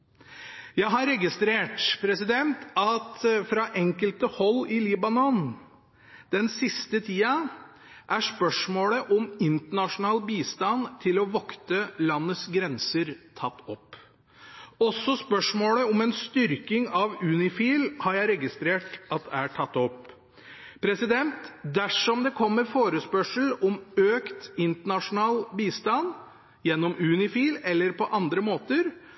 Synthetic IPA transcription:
jæɪɦɑɾɛɡɪst̪ɾeːʈpʰɾɛsɪd̪ɛnt̪ɑt̪fɾɑʔɛŋkəlt̪əhɔlːɪliːbɑnɔn | d̪̥ɛnsɪst̪ət̪ʰiːɑ | ʔæʂpœʂmoːləʔɔmɪnt̪əɳɑʂʊnɑːlbiːst̪ɑnt̪ʰɪlɔʋɑkt̪əlɑnːət̪sɡɾɛnsəɾt̪ʰɑt̪ːɔpː | ɔsːɔspœʂmoːləɔmɛnst̪ʏɾkɪŋɑʋʉːnɪfiːlhɑɾjæɪɾɛɡɪst̪ɾeːʈɑt̪̚d̪æʈʰɑt̪ːɔpː | pʰɾɛsɪd̪ɛnt̪d̪æʂɔmd̪ɛkʰɔmːəɾfoːɾəspœʂəl̩ɔmøːkt̪ɪnt̪əɳɑʂʊnɑːlbiːst̪ɑn | jɛnːɔmʉːnɪfiːlɛlːəɾpʰɔʔɑnd̪ɾəmoːt̪əɾ

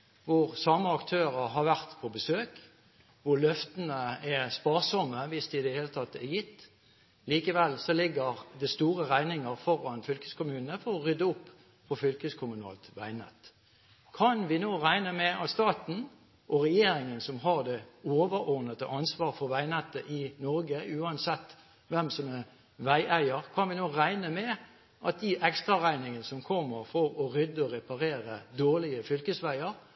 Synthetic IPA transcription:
ʋʊʁsɑmːəɑkt̪ʰøːʁəɾɦɑɾʋæʁt̪pʰɔbəsøːk | ʋʊʁlœft̪ənəɛʁspɑːʁsɔmːəʋɪsd̪ɪɪd̪əheːlət̪ʰɑt̪ːɛjɪt̪ː | liːkəʋɛlsɔlɪɡəʁd̪ɛst̪uːʁəʁæɪnɪŋəʁfɔɾɑnfʏlkəskʊmʉːnəfɔʁɔʁʏd̪əʊpː | pʰɔfʏlkəskʰʊmʉnɑ̰ːlt̪ʋæɪnɛ̰t̪ | kʰɑnʋɪnoːʁæɪnəmɛɑt̪st̪ɑːt̪n̩ | ʔɔʁɛjeːɾɪŋənsɔmɦɑʁd̪ɛoːʋəɾɔʁnət̪ə̰ʔɑnsʋɑːʁfɔʁʋæɪnɛt̪ːəʔɪnɔɾɡəʉːɑnsɛt̪ː | ʋɛmsɔmɛʁ | ʋæɪʔæɪəʁkʰɑnʋɪnoːʁæɪnəmɛ | ʔɑt̪̚d̪ɪʔɛkst̪ʁɑʁæɪnɪŋənəsɔmkʰɔmːəʁfɔɾɔɾʏd̪əɔʁɛpɑʁeːɾəd̪oːʁlɪəfʏlkəsʋæɪəɾ

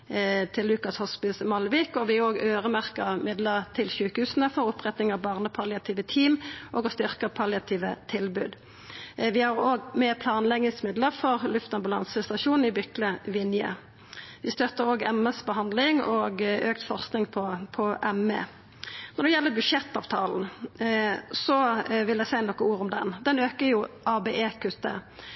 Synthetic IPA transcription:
t̪ʰɪlːʉːkɑshɔspɪsmɑlʋiːkɔʋɪoːɡøːʁəmæʁkəʁmɪd̪ləʁt̪ʰɪlʃʉːkəhʉːsənəfɔʁʊpʁɛt̪nɪŋɑʋbɑːʁnəpʰɑlɪɑt̪ʰiːʋət̪ʰiːmʔɔːɡɔst̪ʏʁkəpʰɑlɪɑt̪ʰiːʋət̪ʰɪlbʉ̰ːd̪ | ʋɪhɑʁoːɡmeːʁpʰlɑːnlɛɡnɪŋsmɪd̪ləʁfɔʁlʉft̪ɑmbʉlɑ̰nsəst̪ɑʃuːnɪbʏkləʋɪnjə̰ | ʋɪst̪œt̪ːəɾoːɡɛməsbəɦɑnd̪lɪŋɔːɡøːkt̪fɔʁsknɪŋpʰɔpʰɔʔɛmḛ | nɔʁd̪ɛjɛlːəbʉʃɛt̪ːɑːʋt̪ʰɑːln̩ | sɔʋɪlæsæɪnɔkəuːɾʊmd̪ɛnd̪ɛnøːkəjʊʔɑːbeːʔeːkʰʉt̪ːə̰

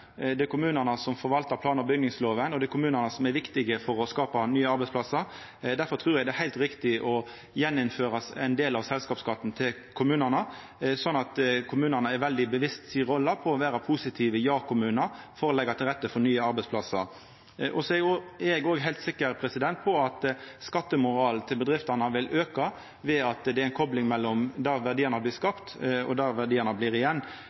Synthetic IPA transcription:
d̪ɛkʰʊmʉːnənəsɔmfɔɾʋɑlt̪əɾpʰlɑːnəɾbʏɡnɪŋsloːʋənɔd̪ɛkʰʊmʉːnənəsɔmæɾʋɪkt̪ɪɡəfɔɾɔskɑːpɑnyːəɑɾbɛɪspʰlɑsːəɾ | d̪æɾfɔɾt̪ʰɾʉːɾɛɡd̪ɛhæɪlt̪ɾɪkt̪ɪʔɔ | jɛnːɪnføːɾɑsɛɪnd̪eːlɑʋsɛlskɑːpskɑt̪ːn̩t̪ʰɪl | kʰʊmʉːnənə | sɔnːɑt̪kʰʊmʉːnənəɛɾʋɛld̪ɪbəʋɪst̪siɾɔlːɑpʰɔɔʋæːɾɑpʰusɪt̪ʰiːʋəjɑːkʰʊmʉːnəɾfɔɾɔlɛɡːɑt̪ʰɪlʁɛt̪ːəfɔɾnyːəɑɾbɛɪspʰlɑsə̰ɾ | ʔɔsɔɛɛɛɡoːɡɦæɪlt̪sɪkːəɾpʰɾɛsɪd̪ɛnt̪̚pʰɔɑt̪skɑt̪ːəmʊɾɑːlnt̪ʰɪlbəd̪ʁɪft̪ɑnɑʋɪlʔøːkɑ | ʋɛɑt̪d̪ɛæɪnkʰɔblɪŋmɛlːɔmd̪ɑʋæʁd̪iːəʁnɑblɪːskɑpt̪ɔ̰d̪ɑʋæʁd̪iːənɑbliːʁɪjɛnː

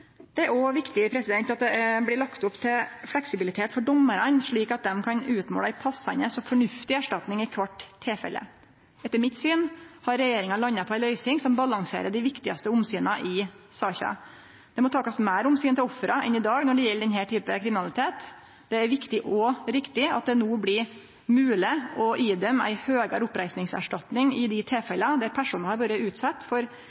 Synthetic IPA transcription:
d̪̥ɛæɾɔʋɪkt̪ɪpʰɾɛsɪd̪ɛnt̪ɑt̪̚d̪ɛblɪɭɑkt̪ʊpt̪ʰɪlflɛksɪbɪlɪt̪ʰeːt̪fɔɖɔmːəɾɑnʂɭiːkɑt̪̚d̪ɛmkʰɑnʉːt̪mo̰ːləæɪpʰɑsɑ̰nəsɔmfɔɳʉft̪ɪæʂʈɑt̪nɪŋɪkʰʋɑʈːtʰːɪlfɛ̰lːə̰ | ɛt̪ːəɾmɪt̪syːnhɑɾːɛjeːɾɪŋɑlɑnːɑpʰɔæɪlœʏsɪŋsɔmbɑlɑŋsḛːɾəɖɪʋɪkt̪ɪɑst̪əʊmsyːnɑʔɪ | sɑːçɑ̰ | d̪̥ɛmɔt̪ʰɑːkɑsmæːɾʊmsyːnt̪ɪlɔfɾɑʔɛ̰nɪd̪ɑːɡnɔɖɛjɛlːəɖ̪ɛnɦæːʈʰyːpəkʰɾɪmɪnɑlɪt̪ʰeːt̪ | d̪̥ɛæɾʋɪkt̪ɪʔɔɾɪkt̪ɪɑ̰t̪̚d̪ɛnuːblɪ | mʉːlɪɔʔiːd̪ɛmæ̰ɪhøːɡəɾʊpɾæɪsnɪŋsæ̰ʂʈɑt̪nɪŋɪd̪ɪt̪ʰeːfɛlɑd̪æɾpʰæʂuːnɑhɑɾʋɑːɾəʉːt̪sɑt̪ːfɔɾ

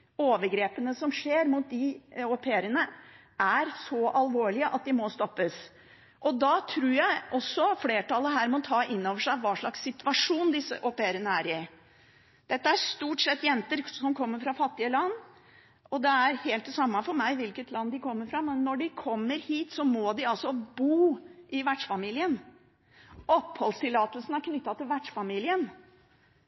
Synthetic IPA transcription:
oːʋəɾɡɾeːpənəsɔmʂeːɾmuːt̪̚d̪ɪɔpʰeːɾənə | ʔæɾsɔʔɑlʋoːɭɪəʔɑt̪̚d̪ɪmɔst̪ɔpːəs | ʔɔd̪ɑːt̪ʰɾuːɾjæɪɔsːɔfleːʈʰɑlːəɦæːɾmɔt̪ʰɑːʔɪnːoːʋəʂæɪʋɑːʂɭɑksːɪt̪ʋɑʂuːnd̪ɪsːə̰ʔɔpeːɾənəæɾɪ | d̪̥ɛt̪ːəæʂt̪uːʈsɛt̪ːjɛnt̪əɾsɔmkʰɔmːəɾfɾɑfɑt̪ːɪəlɑnː | ʔɔd̪ɛæɾheːlt̪d̪ɛsɑmːɑfɔɾmæɪʋɪlkət̪ʰlɑnd̪ɪkʰɔmːəɾfɾɑmɛnːɔɖɪkʰɔmːəɾhiːt̪sɔmɔd̪ɪɑlsɔbuːʔɪʋæʈʂfɑmiːlɪən | ʔɔpːhɔlst̪ʰɪlːɑːt̪əlsn̩æɾkʰnʏt̪ːɑt̪ʰɪlʋæʈʂfɑmiːlɪən

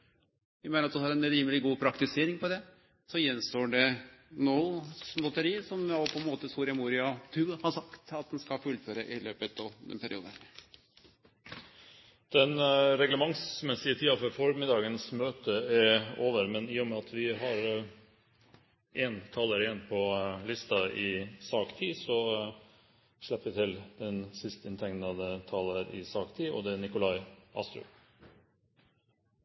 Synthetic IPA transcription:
ʋɪmæɪnəɾɑt̪d̪hɑɾɛnɾiːməlɪɡuːpʰɾɑkt̪ɪseːɾɪŋpɔd̪ɛ | sɔjɛnst̪oːɖɛnɔslɔt̪əɾiːsɔmjopʰɔɛnmoːt̪əsuːɾɪɑmuːɾɪɑt̪ʰʉːhɑʂɑkt̪ɑt̪̚d̪ɛnskɑlfʉlføɾəʔɪløːpət̪ɑʋd̪ɛ̰npʰæɾɪ̰ṵːd̪ə | d̪̥ɛnɾɛɡləmɑŋsmɛsɪət̪ʰiːɑfɔɾfɔɾmɪd̪ɑːɡənsmøːt̪əɛɾoːʋəɾmɛnɪːʊmɛɑt̪ʰʋɪɦɑɾ | ʔeːnt̪ʰɑːləɾɪɛnpʰɔlɪst̪ɑʔɪsɑːkt̪ʰiːsɔ | ʂɭɛpːəʋɪt̪ʰɪld̪ɛnsɪst̪ɪnt̪ʰɛŋnɑd̪ət̪ʰɑːləɾʔɪ̰sɑːkt̪ʰiːɔ̰d̪ɛæɳɪkʊlɑɪʔɑ̰st̪ɾʉ̰

